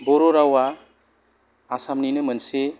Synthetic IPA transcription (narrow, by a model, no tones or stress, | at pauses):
bɔɾɔɾawa | samninɯmɯnse